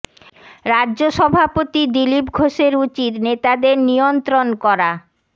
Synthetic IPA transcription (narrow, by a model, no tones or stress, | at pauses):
ɾadːʑoʃɔbʱapot̪id̪ilipɡʱoʃeɾut͡ɕit̪net̪ad̪eɾnijont̪ɾonkɔɾa